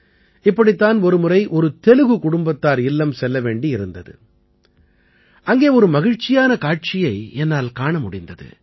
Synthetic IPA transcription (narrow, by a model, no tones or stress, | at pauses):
ɪpːɐɽɪt̪ːaːnɔɾɯmʊɾɐɪʔɔɾɯt̪ɛlɯɣɯkʊɽʊmbɐt̪ːaːɾɪlːɐmsɛlːɐʋeːɳɖiɪɾɯnd̪ɐðɯ̰ | ʔɐŋɡeːɔɾɯmɐɣɪɻt͡ʃɪjaːnɐkaːʈ̚t͡ʃɪjɐɪɛnːaːlkaːɳɐmʊɽɪnd̪ɐðɯ̰